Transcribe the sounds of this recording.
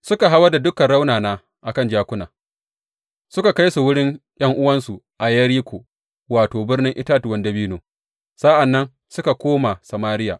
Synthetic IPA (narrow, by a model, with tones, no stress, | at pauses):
sʊ˦ka˨ɦa˦wɐ˦rda˨dʊ˦kɐ˨nɽa˦wnaː˨naː˦ | ʔa˨kɐ˦nd͡ʒaː˦kʷʊ˦naː˨ | sʊ˦ka˨ka˦jsu˨wʊ˦ɽɪ˦ŋj̰ɐ˦ŋʔʊ˦wɐ˦nsu˨ | ʔa˨jɐ˦ɽiː˦kʷoː˨ | waː˨toː˨bɪ˦rnɪ˦ŋʔɪ˦taː˦twɐ˨ndɐ˦biː˦noː˨ | sa˦ʔa˨nːɐ˦n | sʊ˦ka˨kʷoː˦ma˨sa˨maː˦ɾɪ˦ja̰ː˨ʔ